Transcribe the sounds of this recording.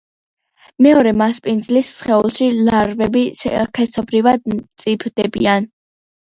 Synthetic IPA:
mɛɔɾɛmaspʼind̪zlisːχɛulˠʃilaɾvɛbisɛkʰɛsɔbɾivad̪̚t̪sʼipʰd̪ɛbian

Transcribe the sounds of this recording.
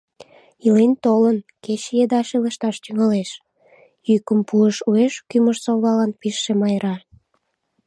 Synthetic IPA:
ilent̪olənket͡ɕjed̪ɑʃeləʃt̪ɑʃt̪yŋɑleʃ | jykəmpuəʃueʃkyməʃsoβlɑlɑnpiʃːemɑjɾɑ

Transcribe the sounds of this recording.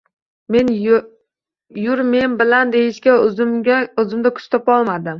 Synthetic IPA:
me̞n | jʊɾme̞nbɪland̪e̞jɪʃkʲaaɵzɪmd̪akʰʊ̥t͡ʃt̪ʰɒpɒlˠmad̪ɪm

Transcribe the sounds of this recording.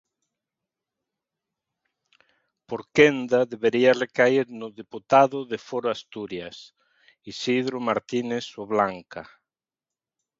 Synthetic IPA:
poɾkend̪aðeβeɾiarekaiɾnʊðeput̪aðʊðefoɾoast̪uɾjas | isiðɾomaɾt̪inesoβlaŋka

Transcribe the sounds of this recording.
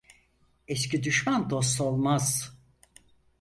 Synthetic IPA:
ɛscid̪yʃmand̪o̞s̬t̪olˠmaz̥

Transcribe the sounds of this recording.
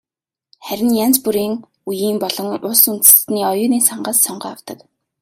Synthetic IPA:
χæɾʲɪ̆njant͡spuɾiːŋ | ujiːmpɔɮɞ̆ŋʊsun̥t͡sɘ̥̆sniːɔjʊːniːsaɴɢaːsːɔɴɢaːawt̪ə̆k

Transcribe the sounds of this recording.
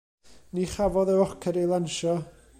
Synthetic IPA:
niχavɔðəɔkʰɛɾilˠanʃɔ

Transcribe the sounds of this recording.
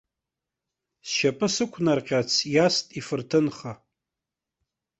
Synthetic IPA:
sʃapʼɨsɨkʷʰnarqʲʼat͡sʰjastʼifɨrtʰɨnχa

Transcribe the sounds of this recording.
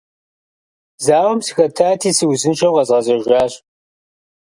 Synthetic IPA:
zaːʁɐmsɨxɐtʰaːtʰiːsiwzɨnt͡ʃʰɐwʁɐzʁɐzɐʒʷaːɕ

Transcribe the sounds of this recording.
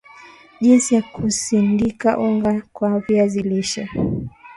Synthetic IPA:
ʄinsijakʰusindikaʔuŋɡakwaviaziliʃa

